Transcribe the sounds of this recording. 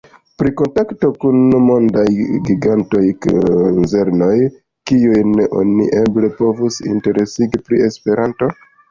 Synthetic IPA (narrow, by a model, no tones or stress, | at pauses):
pɾiko̞ntakto̞kunmo̞ndajɡiɡanto̞jnze̞ɾno̞j | kiujneʔo̞̰nḭʔe̞ble̞po̞vusḭnte̞ɾe̞siɡipɾie̞spe̞ɾanto̞